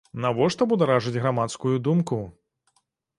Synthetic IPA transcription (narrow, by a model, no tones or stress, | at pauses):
navɔʂt̪ɔbud̪aɾaʐɨd͡zʲɣɾamat̪skujud̪umku